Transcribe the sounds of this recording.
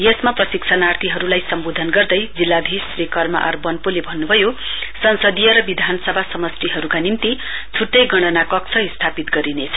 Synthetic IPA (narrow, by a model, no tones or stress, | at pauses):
jesmaprʌsiksʰanart̪ʰiɦʌɾulajsʌmbod̪ʱʌnɡʌrd̪ʌjd͡zilːad̪ʱisrekʌrma̰ʔʌ̰rbʌnpolebʱʌnːubʱʌjosʌnsʌd̪ijʌɾʌbid̪ʱanʌsʌbʱasʌmʌst̪iɦʌɾukanint̪i | t͡sʰuʈːʌjɡʌɽ̃ʌnakʌkt͡sʰʌist̪ʰapit̪ɡʌɾinet͡sʰʌ